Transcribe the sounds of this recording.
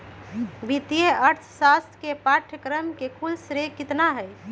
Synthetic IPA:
bit̪ijeəɾt̪ʰsast̪ʰkepaʈʰəkɾəmkekʰulsɾekit̪naɦəj

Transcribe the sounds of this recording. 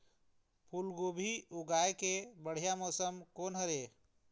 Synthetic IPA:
pʰulɡobʱiuɡaːekebəɽ̤ijamɔːsəmkonɦəɾe

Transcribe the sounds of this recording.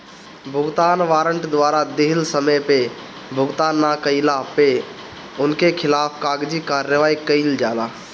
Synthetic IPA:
bʱʊɡt̪aːnʋaːɾəɳʈd̪ʋaːɾad̪ɪɦɪlsəməjpe | bʱʊɡt̪aːnːakəilape | ʊnkʰekʰɪlaːpʰkaːɡd͡ʒikaːɾjəʋaːikəild͡ʒaːlaː

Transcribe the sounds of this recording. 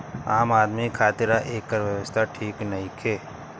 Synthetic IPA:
aːmaːd̪mikʰaːt̪ɪɾaʔeːkːəɾʋjəʋəst̪ʰaʈʰiːknɐɦikʰeː

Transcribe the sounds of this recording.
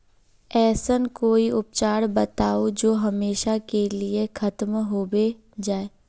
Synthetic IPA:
ɛːsənkoːiʊp̚t͡ʃaːɽbɐt̪aːod͡ʒoːɦɐmeːʃakeliexʰɐt̪mɦoːbe | d͡ʒaːe

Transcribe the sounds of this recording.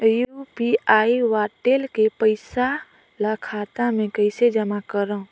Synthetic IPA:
jupiaːiʋaːʈeːlkepəɪsa | ləkʰaːt̪amẽkəɪsed͡ʒəmakəɾã

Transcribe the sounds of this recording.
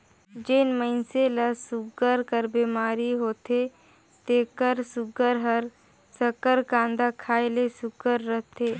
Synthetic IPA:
d͡ʒenməɪnseləsʊɡəɾkəɾbiːmaːɾiɦoːt̪e | t̪eːkəɾsʊɡəɾɦəɾ | səkəɾkãːnd̪akʰaːelesʊɡəɾːəɦt̪eː

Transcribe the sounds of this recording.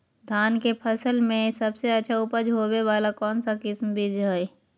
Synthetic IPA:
d̪ʱaːnkepʰəsəlmẽsɐbseɐtːʃʰaʊpəd͡ʒɦobeʋaːlakɔːnsakɪsmbʱɪd͡ʒɦoj

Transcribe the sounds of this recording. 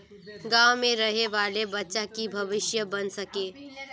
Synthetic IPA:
ɡãːwmẽɾɐɦeʋaːlebɐtːʃakibʱɐʋɪʃjəbɐnsɐkeː

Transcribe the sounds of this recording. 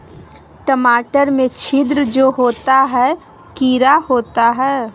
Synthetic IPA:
ʈəmaːʈəɾmẽt͡ʃʰɪd̪ɾəd͡ʒoːɦoːt̪aɦɛː | kiːɾahoːt̪aɦɛː

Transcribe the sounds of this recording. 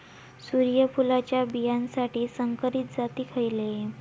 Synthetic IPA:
suɾijəpulat͡ɕjabijãnsaʈiːsəŋkəɾiːt̪̚d͡zat̪iːkʰəjle

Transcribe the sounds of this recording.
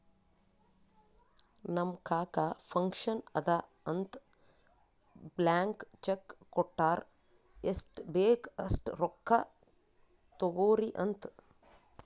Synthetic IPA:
nɐmkaːkaːfɐŋkʃɐnɐd̪a | ɐnt̪ | blaːŋkt͡ʃekːoʈːaːɾ | esʈbeːkɐsʈɾokːa | t̪oɡoːɾiʔɐnt̪

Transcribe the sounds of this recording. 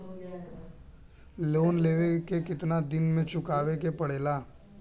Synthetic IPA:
loːnleːʋekekɪt̪nad̪ɪnmẽt͡ʃʊkaːʋekepəɽeːlaː

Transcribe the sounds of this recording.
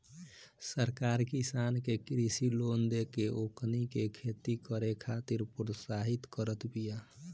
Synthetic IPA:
səɾkaːɾkisaːnkekɾisiloːnd̪ekeʔoknikekʰet̪ikəɾekʰat̪iɾpɾosaɦit̪kəɾət̪bija

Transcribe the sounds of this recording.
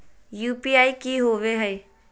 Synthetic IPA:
juːpiːaːikiːɦoːʋeɦəe

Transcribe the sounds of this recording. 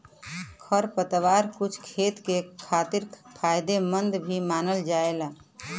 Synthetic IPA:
kʰəɾpət̪ʋaɾkut͡ʃʰkʰet̪kekʰat̪iɾpʰajd̪emənd̪bʱimanəld͡ʒaela

